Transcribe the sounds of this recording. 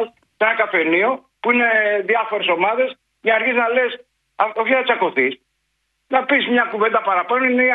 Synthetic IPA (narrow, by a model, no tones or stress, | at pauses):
s | enɐkɐfe̞nio̞ | puine̞ðjɐfo̞ɾe̞so̞mɐðe̞s | ʝɐnɐɾçiznɐles | ɐo̞çiθɐt͡sɐko̞θis | nɐpismɲɐkuvend̪ɐpɐɾɐpɐnooine